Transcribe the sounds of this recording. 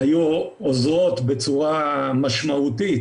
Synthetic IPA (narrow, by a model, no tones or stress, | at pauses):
aju | ozʁo̞t̪bet͡suʁamaʃmaut̪it̪